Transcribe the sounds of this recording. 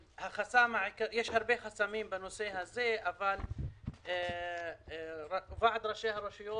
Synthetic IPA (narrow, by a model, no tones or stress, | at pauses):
haxasaːmaʕɪkaɾjeʃhaɾˤbeːxasamiːmbɪnʊsehazeːʔavalː | ɾvaʕd̪ɾˤɑʃeːhaɾˤoʃjoː